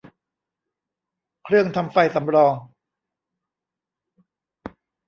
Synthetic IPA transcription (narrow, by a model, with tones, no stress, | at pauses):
kʰɾɯ˥˩əŋt̪ʰa˧mfa˧jsa˩˦mɾɔː˧ŋ